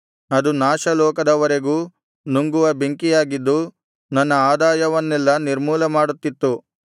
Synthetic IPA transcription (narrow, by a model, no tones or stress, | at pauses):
ɐd̪unaːʃɐlɔːkɐd̪ɐʋɐɾe̞ɡuː | nuŋɡuʋɐbeŋkijaːɡid̪ːu | nɐnːɐaːd̪aːjɐʋɐnːɛlːɐniɾmuːlɐmaːɽut̪ːit̪ːu